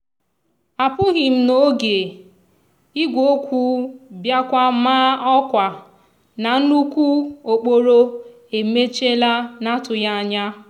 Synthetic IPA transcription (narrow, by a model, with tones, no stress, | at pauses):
a˨pʊ˦ɣɪ˨m̩˦no˦ɡe˨ | i˦ɡʷo˦kʷu˦bja˦kʷa˦maː˦ɔ˦kʷa˨ | na˨˦nu˦kʷu˦o˨k͡po˦ɾo˦ | e˨me˦t͡ʃe˦la˦na˦tʊ˨ja˦a˦˨ɲa˦